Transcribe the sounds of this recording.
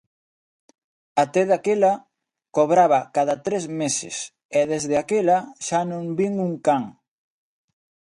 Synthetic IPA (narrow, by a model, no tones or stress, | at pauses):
at̪ɛðakelɐ | koβɾaβɐkaðat̪ɾezmesɪ̰s | ɛðezðeakelɐʃanõŋbiŋuŋkaŋ